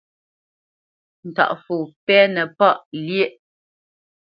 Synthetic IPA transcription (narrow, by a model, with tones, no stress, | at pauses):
n̩˨ta̰˨ʔfu˨pɛ˦nɛ˨pa˦ʔlje˦ʔ